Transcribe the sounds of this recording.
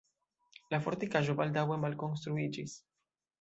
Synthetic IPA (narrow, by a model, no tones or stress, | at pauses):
lafoɾt̪ikaʒobald̪awemalkonst̪ɾuid͡ʒis